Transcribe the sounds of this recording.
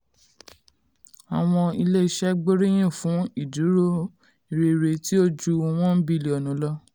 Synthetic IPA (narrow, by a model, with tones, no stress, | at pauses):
a˨w̃ɔ̃˧i˧le˦i˦ʃɛ˦ɡ͡bo˦ɾi˦j̃ĩ˦˨fũ˨˦i˦˨du˨˦ɾo˦ | i˨ɾe˨ɾe˨ti˦o˦d͡ʒu˦˧w̃ɔ̃˦bi˦˨le˨ɔ˨nũ˨˦lɔ˦˧